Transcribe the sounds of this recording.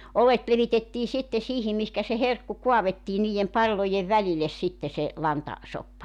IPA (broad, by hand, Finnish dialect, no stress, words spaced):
olet leʋitetːiː sitːe siːhim mihkæ se herkːu kuɑʋetːiː niːj̆em pɑlːoje ʋæliles sitːe se lɑntɑ sopːɑ